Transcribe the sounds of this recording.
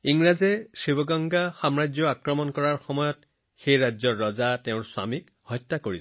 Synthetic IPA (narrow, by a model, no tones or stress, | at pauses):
iŋɹazɛsibɔɡɔŋɡaxamɹajd͡ʒjɔakɹɔmɔnkɔɹaɹxɔmɔjɔt | xejɹaɔɹːɔzateʊ̃ɹswa̰mik | hɔjtːakoɹi